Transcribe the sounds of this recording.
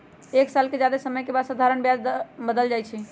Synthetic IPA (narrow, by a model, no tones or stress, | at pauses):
eksalked͡ʒjad̪asəməjkebad̪sad̪ʱaɾənbjad͡ʒbəd̪əld͡ʒajt͡ʃʰɛ